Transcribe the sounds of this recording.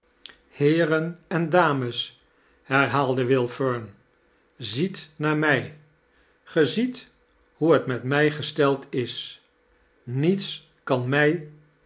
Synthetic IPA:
hɪːɾənɛndaːməs | hɛɹɦaːlˠdəʋɪlˠføɹn | zitnaːɹmɛj | χəzit | huɦətmɛtmɛjχəstɛlˠtɪs | nits | kɑnmɛj

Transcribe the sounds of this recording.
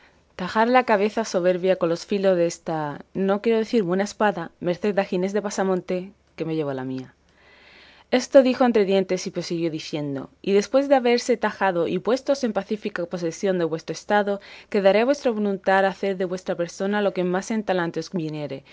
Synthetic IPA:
t̪axaɾlakaβ̞e̞θaso̞β̞e̞ɾβjako̞nlo̞sfilozðest̪ano̞kje̞ɾo̞ð̞e̞θiɾβwe̞naespaðame̞ɾθe̞d̪axine̞zðe̞pasamõ̞nt̪e̞ | ke̞me̞ʝe̞β̞olamia | e̞st̪o̞ðixo̞e̞nt̪ɾe̞ðje̞nt̪e̞sipɾosiɣ̞jo̞ðiθje̞nd̪o̞̰iðe̞spwe̞zðeaβe̞ɾse̞t̪axaðo̞ʔipwe̞st̪o̞se̞mpaθifikapo̞se̞sjo̞nd̪e̞βwe̞st̪ɾoest̪aðo̞ke̞ðaɾeaβwe̞st̪ɾoβ̞o̞lunt̪aɾaθe̞ɾðe̞βwe̞st̪ɾape̞ɾso̞nalo̞kemase̞nt̪alant̪oesmineɾe̞

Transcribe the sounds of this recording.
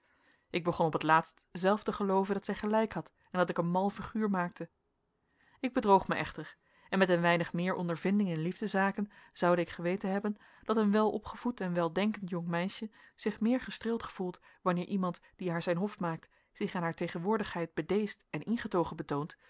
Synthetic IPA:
ʔɪɡ̚bəχɔnɔpətlaːtstzɛlˠftəχəlowvəndɑtsɛjχəlɛjkɦɑt | ɛndɑtɪkənmɑlˠfiχyːɹmaːk̚tə | ɪɡ̚bədrowχməʔɛχtəɹ | ɛnmɛtənʋɛjnəχmɪːɹʔɔ̰ndəɹvɪndɪŋɪnlivdəzaːkənz̥ɑwdəɪkχəʋejtənɦɛbən | d̥ɑtənʋɛlˠɔ̰pχəv̥utɛnʋɛlˠdɛŋkəntjɔŋmɛjʃəz̥ɪχmɪːɹχəstrɪːlˠtχə̥v̥ulˠt | ʋɑnɪːɹʔimɑntd̥iɦaːɹzɛjnɦɔftmaːk̚t | z̥ɪχaːnɦaːɹtejχənʋʊːɹdəχɦɛjd̚bədejstɛnɪnχətowχənbətownt

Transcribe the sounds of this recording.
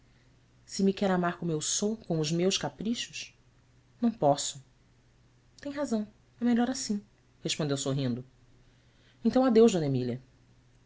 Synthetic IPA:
sɪmikɛɾamaɾkõmuewsokõʊzmewʃkapɾiʃʊʃ | nɐ̃w̃pɔsʊ̥ | t̪ẽj̃ɦazɐ̃w̃ | ɛmeʎɔɾasĩ | heʃpõd̪ewsoɦĩnd̪ʊ | ẽnt̪ɐ̃ad̪ewʒd̪õnemilɐ

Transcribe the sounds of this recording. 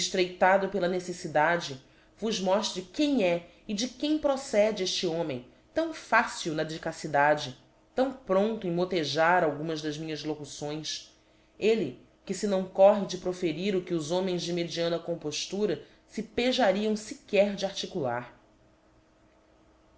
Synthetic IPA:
eʃt̪ɾejt̪ad̪ʊpelɐnesesid̪ad͡ʒɪ | vʊzmɔʃt̪ɾɪkẽj̃ɛ | ɪd͡ʒɪkẽj̃pɾosɛd͡ʒɪeʃt͡ʃiõmẽj̃ | t̪ɐ̃w̃fasuwnɐd͡ʒikasid̪ad͡ʒɪ | t̪ɐ̃w̃pɾõnt̪ʊẽj̃mot̪eʒaɾawɡũmɐzd̪ɐzmĩɲɐzlokusõj̃s | elɪ | kɪsɪnɐ̃w̃kɔɦɪd͡ʒɪpɾofeɾiɾʊkɪʊzõmẽj̃zd͡ʒɪmed͡ʒiɐ̃nɐkõpoʃt̪uɾɐ | sɪpeʒaɾiɐ̃w̃sikɛɾd͡ʒɪaɾt͡ʃikula̰ɾ

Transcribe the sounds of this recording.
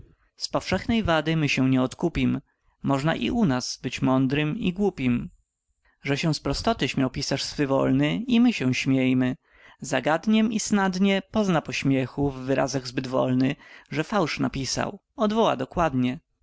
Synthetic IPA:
spɔfʂɛxnɛjvad̪ɘmɘɕɛw̃ɲɛɔt̪kupʲimː | ɔʐna̰ʔḭʔunaz̥bɘt͡ɕmɔnd̪ɾɘmiɡwupʲim | ʐɛɕɛw̃spɾɔst̪ɔt̪ɘɕmʲjawpʲisaʂsfɘvɔ̰lnɘimɘɕɛw̃ɕmʲjejmɘ | zaɡad̪ɲɛmisnad̪ɲɛpɔznapɔɕmʲjɛxuvːɘɾa̰zaɣzbɘd̪vɔ̰lnɘʐɛfawʂnapʲisa̰w | ɔd̪vɔwa̰d̪ɔkwad̪ɲɛ

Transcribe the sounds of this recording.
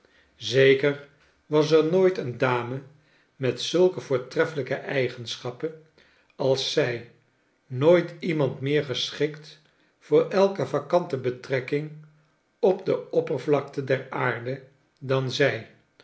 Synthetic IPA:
zejkər | ʋɑs̬ɛɹnoːjtəndaːmə | mɛtsɵlˠkəvʊːɹtrɛfələkəʔɛjχənsχɑpən | ɑlˠsːɛj | noːjtimɑntmɪːɹχəsχɪkt | fʊːɹɛlˠkəvɑkɑntəbətrɛkɪŋ | ɔbdəɔpəɹvlɑk̚tədɛraːɹdə | dɑnzɛj

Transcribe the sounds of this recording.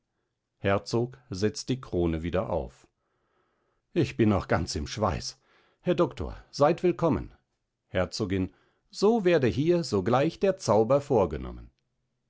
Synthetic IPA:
hɛɐt͡soːkzɛt͡std̥iːkʁ̥oːnəviːdɐʔa̰ʊf | ʔɪçb̥ɪnɔχɡ̥ant͡sɪmʃv̥a̰ɪs | hɛɐdɔktʰo̰ːɐz̥aɪtv̥ɪlkʰɔmə̰n | hɛɐt͡soːɡɪn | z̥oːveːɐdəɦiːɐzoːɡlaɪçd̥eːɐt͡saʊbɐfoːɐɡənɔ̰mə̰n

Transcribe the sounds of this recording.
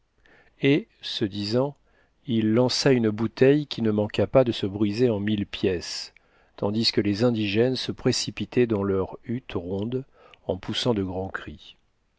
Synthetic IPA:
esəd̪izɑ̃ | ilːɑ̃saynbut̪ɛjkʲinəmɑ̃kapad̪əsəbʁizeɑ̃milpjɛs | t̪ɑ̃d̪iskəlezɛ̃d̪iʒɛnsəpχesipit̪ʰɛd̪ɑ̃lœʁyt̪ʁɔ̃d̪ | ɑ̃pusɑ̃d̪əɡʁɑ̃kχi

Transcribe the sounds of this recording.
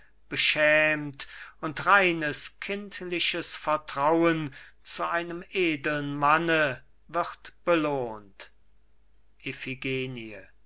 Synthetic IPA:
b̥əʃɛːmtʊntʁaɪnəskʰɪntlɪʃəsfɛɐtʁ̥awənt͡suʔaɪnəmeːdl̩nmanə | vɪʁtb̥əloːnt | ʔefiɡeːniə

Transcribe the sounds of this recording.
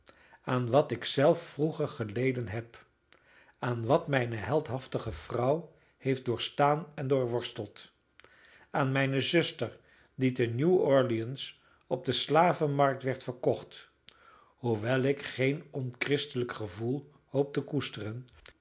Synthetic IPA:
aːnʋɑtɪksɛlˠfːruχəɹχəlejdənɦɛp | aːnʋɑtmɛjnəɦɛlˠtɦɑftəχəv̥rʌw | hejft̚dʊːɹstaːnɛndʊːɹʋɔɹstəlˠt | aːnmɛjnəzɵstəɹ | didənjuɔɹliəns | ɔb̚dəslaːvəmɑɹk̚tʋɛɹtfəɹkɔχt | huʋɛlˠɪkχejnɔnkrɪstələkχəvulˠ | howp̚təkustərən

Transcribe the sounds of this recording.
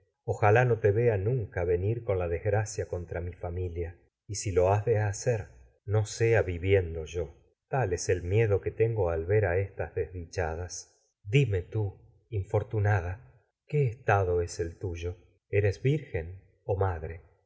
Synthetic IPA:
oxalano̞t̪eβe̞anũŋkaβe̞niɾko̞nlaðezɣɾasjako̞nt̪ɾamifamilja | isilo̞azðeaseɾ | no̞seaβiβje̞nd̪o̞ʒo̞ | t̪alese̞lmje̞ðo̞ket̪eŋɡo̞alβe̞ɾaest̪azðezðit͡ʃaðas | d̪ime̞t̪u | iɱfo̞ɾt̪unað̞a | keːst̪aðo̞ese̞lt̪uʒo̞ | e̞ɾezβiɾxen | o̞maðɾe

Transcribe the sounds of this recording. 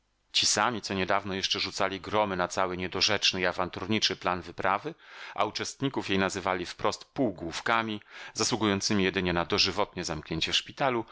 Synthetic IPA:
t͡ɕisamʲit̪sɔɲɛd̪avnɔjɛʂt͡ʂɛʐut̪salʲiɡɾɔmɘnat̪sawɘɲɛd̪ɔʐɛt͡ʂnɘiavant̪uɾɲit͡ʂɘplanvɘpɾavɘʔa̰ut͡ʂɛst̪ɲikufjejnazɘvalʲifpɾʔɔst̪puwɡwufkamʲizaswuɡujɔnt̪sɘmʲijɛd̪ɘɲɛnad̪ɔʐɘvɔt̪ɲɛzamkɲeɲt͡ɕɛfʂpʲit̪alu

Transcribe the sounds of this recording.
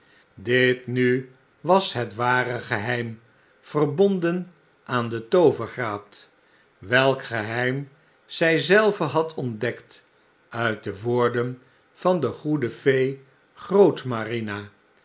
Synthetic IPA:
dɪtny | ʋɑsɦətʋaːrəχəɦɛjm | v̥ərbɔndən | ʔaːndətowvəɹχraːt | ʋɛlˠkχəɦɛjm | z̥ɛjzɛlˠvəɦɑtʰɔndɛkt | œɥt̚dəʋoːɹdən | v̥ɑndəχudəfej | χrowtmarina

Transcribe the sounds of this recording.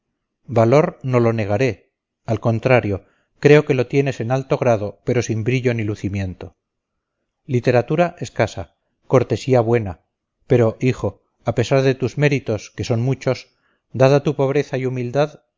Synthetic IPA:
balo̞ɾno̞lo̞ne̞ɣ̞aɾe̞ | alko̞nt̪ɾaɾjo̞ | kɾe̞o̞ke̞lo̞t̪je̞ne̞se̞nalt̪o̞ɣ̞ɾað̞o̞pe̞ɾo̞simbɾiʎo̞niluθimjẽ̞nt̪o̞ | lit̪e̞ɾat̪uɾaʔe̞skasa | ko̞ɾt̪e̞siaβwe̞na | pe̞ɾo̞ʔixo̞ | ape̞saɾðe̞t̪uzme̞ɾit̪o̞ske̞so̞nmut͡ʃo̞s | d̪aðat̪upo̞β̞ɾe̞θaiumild̪að

